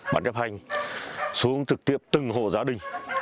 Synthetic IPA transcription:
ɓa̰ː˧˩nt͡ɕə˦˥p̚ha˧jŋ̟ | su˨˦əŋt͡ɕɨ˨˩k̚t̪i˦˧˥əp̚t̪ɨ˨˩ŋɦo̰˧˨zaː˨˦ɗï˨˩ŋ̟

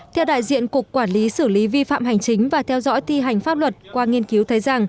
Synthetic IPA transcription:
t̪ʰɛ˧wɗa̰ː˧˨jzḭ˧˨ənku˨˩əkːwaː˧˩nli˨˦sɨ˧˩li˨˦vi˧fa̰ː˧˨mɦa˨˩jŋ̟t͡ɕï˨˦ŋ̟vaː˨˩t̪ʰɛ˧wzɔ̰˧˥jt̪i˧ɦa˨˩jŋ̟faː˦˥p̚lwə˨˩t̚kwaː˧ŋi˧ənki˨˦wt̪ʰə˨˦jza˨˩ŋ

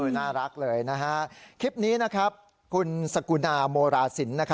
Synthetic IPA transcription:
ɯː˧naː˥˩ɾa˦˥k̚lɤː˧jna˦˥ɦa˦˥kʰi˦˥p̚niː˦˥na˦˥kʰɾa˦˥p̚ | kʰu˧nsa˧ku˧naː˧moː˧ɾaː˧si˩˦nːa˦˥kʰa˦

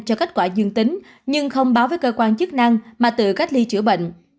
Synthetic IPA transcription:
t͡ɕɔ˧ka˦˥t̟̚kwaː˧˩zɨ˧əŋt̪ï˨˦ŋ̟ | ɲɨ˧ŋxə˧wŋ͡mɓaː˨˦wvəː˨˦jkəː˧kwaː˧nt͡ɕɨ˦˥k̚na˧ŋmaː˨˩t̪ɨ̰˧˨ka˦˥jk̚li˧t͡ɕɨ˧˩əɓə̰˧˨ŋ̟

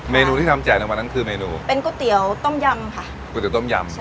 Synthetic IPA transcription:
meː˧nuː˧t̪ʰi˥˩a˧mt͡ɕaː˨˩jna˧˩ŋwaː˧na˦˥nkʰɯː˧meː˧nuː˧pe˧nku˥˩t̪i˨˩˦ə˦wt̪o˥˩mja˧mkʰa˥˩ | ku˧˥˩t̪i˨˩˦wt̪o˥˩mja̰˧m

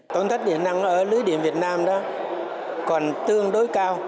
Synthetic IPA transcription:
t̪o˨˦nt̪ʰk̚ɗḭ˧˩əna˧ŋʔəː˧˩lɨ˨˦jɗḭ˧˩əmvi˨˩ət̚naː˧mɗɔ̰˨˦ | kɔ˨˩nt̪ɨ˧əŋɗo˨˦jkaː˧w

